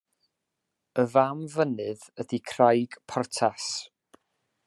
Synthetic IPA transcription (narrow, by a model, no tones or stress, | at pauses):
əvamvənɨðədikʰrajɡ̥pʰɔrtʰas